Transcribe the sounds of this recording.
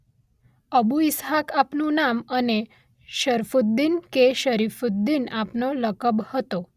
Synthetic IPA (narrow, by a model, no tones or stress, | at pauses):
əbuisɦakapnunaməne | ʃəɾfud̪ːinkeɕəɾifud̪ːinapnoləkəbhət̪o